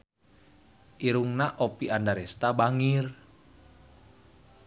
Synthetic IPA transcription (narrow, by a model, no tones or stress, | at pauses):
ʔiɾuŋnaʔopiʔandaɾɛst̪abaŋir